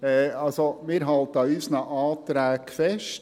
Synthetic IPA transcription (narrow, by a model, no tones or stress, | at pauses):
ɛɑlsomɪːɾɦɑlt̪əɑyːsnəʔɑːt̪ɾæːkfɛʃt